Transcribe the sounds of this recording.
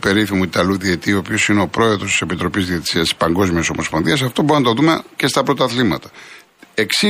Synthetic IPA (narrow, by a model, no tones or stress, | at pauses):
pe̞ɾiθimuit̪ɐluðiet̪iopio̞sineo̞pɾo̞e̞ðɾo̞st̪i̥se̞pit̪ɾo̞pizðiet̪i̥siɐst̪i̥spɐŋɡo̞zmioso̞mo̞sponðiɐs̬ɐft̪o̞boɾinɐt̪o̞ðumece̞st̪ɐpɾo̞t̪ɐθlimɐt̪ɐ̥ | eksi